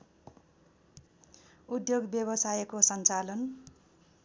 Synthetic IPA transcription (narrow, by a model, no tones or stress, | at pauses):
ud̪joɡbjʌbʌsajekosʌnt͡salʌn